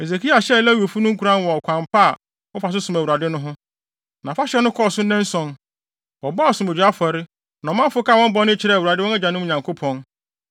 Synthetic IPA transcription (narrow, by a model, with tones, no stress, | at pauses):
e˨ze˨kʰi˦a˨ɕɛ˦lɛ˦wo˨fu˦nʊ̃˦ŋ̩˦kʰu˨ɾã˦n˦wɔ˨kʷʰã˨mpa˦a˨ | wɔ˦fa˨s̬ʊ˦sʊ̃˨mæ˨wu˨ɾa˨dɪ˦nʊ̃˦ɦʊ̃˦ | nã˨fa˦ɕɛ˦nʊ̃˦kʰɔ˦˨sʊ˦nɛ̃˦n˦sɔ̃˨n | wɔ˨bɔ˦a˦ɔ˨sʊ̃˨me˨d͡ʑᶣi˨˦a˦fɔ˨ɾɪ˦ | nã˨mã˦fʊ˦ka˦˨wɔ̃˦m˦bɔ˦nɪ̃˦t͡ɕʰɪ˨ɾɛ˦˨wu˨ɾa˨dɪ˦wɔ̃˦nɛ˦d͡ʑã˨nʊ̃˦m̃˦˨ɲã˨ŋkʰo˦pʰɔ̃˨n